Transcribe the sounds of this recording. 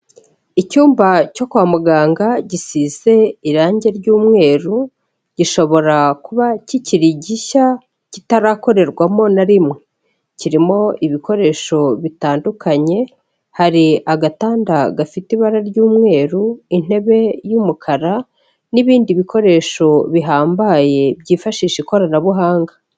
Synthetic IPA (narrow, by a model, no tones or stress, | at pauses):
icuːmbaco̞kuwamuɡaːŋɡaɟisize̞iɾaːɲɟe̞ɾɟuːmŋe̞ːɾu | ɟ̥iʃo̞βo̞ɾakuβaciciɾiɟiʃa | citaɾako̞ɾe̞ɾɡwamo̞naɾimŋwe | ciɾimo̞iβiko̞ɾe̞ʃo̞βitaːndukʰaɲe̞ | haɾiʔaɡataːndaɡafitiβaɾaɾɟuːmŋe̞ːɾuin̥e̞βe̞jumukʰaɾa | niβiːndiβikʰo̞ɾe̞ʃo̞βiɦaːmbaje̞bɟiːfaʃiːʃiko̞ɾanaβuɦaːŋɡa